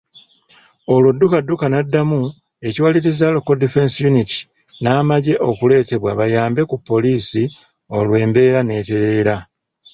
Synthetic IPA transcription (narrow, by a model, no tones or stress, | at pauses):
o̞lwudːukadːukanadːamu | e̞ciwaliɾizalo̞kodife̞nsijuniti̥ | naːmaɟe̞ʔo̞kule̞ːte̞βwaβajaːmbe̞kupːo̞liːsi | o̞lwe̞ːmbe̞ːɾane̞ːte̞ɾeːɾa